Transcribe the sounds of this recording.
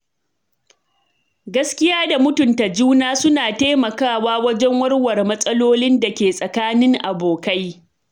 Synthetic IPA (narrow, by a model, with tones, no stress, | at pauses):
ɡɐ˦skʲɪ˦jaː˦da˨mʊ˦tʊ˨nta˨d͡ʒuː˦naː˦sʊ˦naː˨teː˦mɐ˨kaː˦˨waː˦wɐ˦d͡ʒɛ˦ŋwɐ˦rwɐ˨rmɐ˦sʼɐ˦loː˦lɪ˦nda˨kʲeː˨sʼɐ˨kaː˦nɪ˦ŋʔa˨boː˨ka˦j